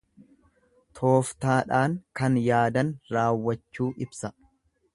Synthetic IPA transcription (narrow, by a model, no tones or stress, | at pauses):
t̪ʰo̞ːft̪aːᶑaːŋkɐnjaːd̪ɐnɾaːwːɐt͡ʃːuːʔɪbsɐ